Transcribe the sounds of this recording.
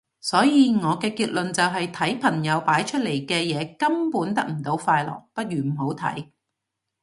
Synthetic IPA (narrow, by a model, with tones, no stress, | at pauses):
sɔː˨˥jiː˨˧ŋɔː˨˧kɛː˧kiː˧t̚lɵ˨nt͡sɐ˨wɦɐ˨jt̪ʰɐ˨˥jpʰɐ˨˩ŋjɐ˨˧wpaː˨˥jt͡ʃʰɵ˥t̚le˨˩jkɛː˧jɛː˨˧kɐ˥mpuː˨˥nt̪ɐ˥k̚m̩˨˩t̪o˨˥wfaː˧jlɔ̰ː˨˩k̚pɐ˥t̚jyː˨˩m̩˨˩ho˨˥wt̪ʰɐ̰˨˥j